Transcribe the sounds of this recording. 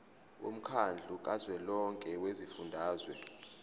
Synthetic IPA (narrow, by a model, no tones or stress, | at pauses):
wo̰m̩kʰand͡ɮʱuk̬ʼazwɛlɔŋkʼɛwezifundʱaːzwɛ